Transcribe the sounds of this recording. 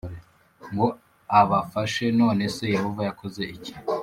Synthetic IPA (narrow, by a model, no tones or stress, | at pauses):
ŋɡo | aβafaʃe̞no̞ːne̞se̞jehovajakʰoze̞ici̥